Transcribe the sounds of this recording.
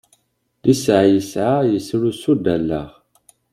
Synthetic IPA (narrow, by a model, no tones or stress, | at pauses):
lisʕajəsʕajəsɾusud̪ælːæ̰ʁ